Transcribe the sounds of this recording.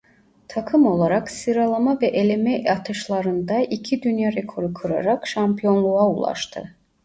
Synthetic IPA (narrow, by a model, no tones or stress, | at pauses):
t̪ʰakʰɯmo̞lˠaɾaksɯɾalˠamavɛʔelʲemɛat̪ʰɯʃlˠaɾɯnd̪aʔicʰid̪ynjaɾekʰo̞ɾɯkʰɯɾa̰ɾakʃampijo̞nlˠuaulˠa̰ʃt̪ʰɯ̰